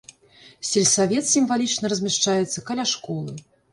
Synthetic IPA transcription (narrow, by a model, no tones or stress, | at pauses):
sʲɛlʲsavʲɛt̪sʲimvalʲit͡ʂnɐɾɐzʲmʲɛʂt͡ʂajɛt̪sːɐkɐlʲaʂkɔlˠɨ